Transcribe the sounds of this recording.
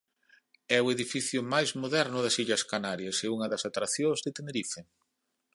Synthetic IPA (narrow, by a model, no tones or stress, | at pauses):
ɛweðifiθjʊmajzmoðɛɾnʊðɐsiʎɐskanaɾjɐseuŋɐðɐsat̪ɾaθjõzðet̪eneɾife